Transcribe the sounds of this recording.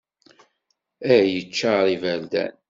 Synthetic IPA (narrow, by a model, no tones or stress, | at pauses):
æɾjət͡ʃːaɾˤivæld̪æ̰n